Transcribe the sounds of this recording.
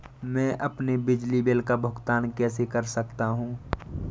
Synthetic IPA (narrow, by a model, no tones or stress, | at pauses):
mɛ̃ːʔɐpnebɪd͡ʒlibeːlkabʱʊɡt̪aːnkɛːsekɐɾsɐk̚t̪aɦũː